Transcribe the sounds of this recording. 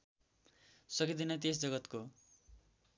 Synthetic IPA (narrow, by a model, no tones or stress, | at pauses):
sʌkid̪inʌt̪̬esd͡zʌɡʌt̪ko